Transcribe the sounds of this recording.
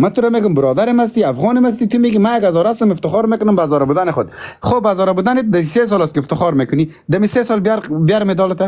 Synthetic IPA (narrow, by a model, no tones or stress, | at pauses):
mat̪uɾameːɡʊmbɪɾɔd̪aɾɪmas̬t̪iafɣɔnɪmas̬t̪it̪umeɡimajaɡazɔɾast̪ʊmɪft̪ɪxɔɾmekʊnʊmbazɔːɾabud̪anɪxʊd̪χobazɔːɾabud̪aned̪aises̬ɔlast̪keɪft̪ɪxɔɾmekʊni | d̪amisesɔlbjaɾbjaɾmed̪ɔlɪt̪a